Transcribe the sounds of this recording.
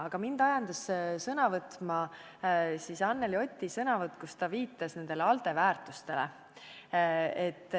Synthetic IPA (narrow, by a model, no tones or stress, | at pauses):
ɑɡ̥ɑmind̪̥ɑjɑnd̪̥ɑssɤnɑvɤt̪mɑ | sisɑnːelio̞t̪ʲːisɤnɑvɤt̪ːˑkust̪ɑviːt̪ːˑɑsne̞nd̪̥e̞leɑlt̪e̞væːrt̪ˑust̪e̞lḛ | et̪ːˑ